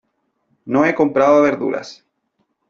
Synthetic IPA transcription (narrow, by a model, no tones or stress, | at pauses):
noeko̞mpɾaðoaβeɾðṵɾa̰s